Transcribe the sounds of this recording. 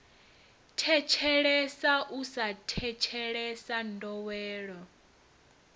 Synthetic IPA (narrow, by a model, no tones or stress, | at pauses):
tʰɛt͡ʃʰɛɺɛsaʔusatʰɛt͡ʃʰɛɺɛsan̩dɔwɛːɺɔ